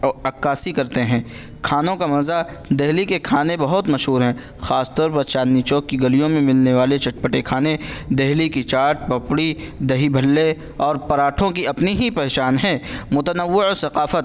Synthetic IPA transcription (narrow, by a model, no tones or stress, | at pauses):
ɐkːaːsikɐɾt̪eɦɛ̃ː | kʰaːnõkamɐza | d̪eɦlikekʰaːnebɐɦʊt̪mɐʃɦuːɾɦɛ̃ː | xaːst̪ɔːɾpɐɾt͡ʃaːnːit͡ʃɔːkːiɡɐlijõmẽmɪlneʋaːlet͡ʃɐʈ̚pəʈekʰaːned̪eɦlikit͡ʃaːʈ̚pɐpɽid̪ɐɦibʱɐlːe | ɔːɾpɐɾaːʈʰõkiɐpniɦipɛɦt͡ʃaːnɦɛ̃mʊt̪ənəʋːɪosɐqaːfət̪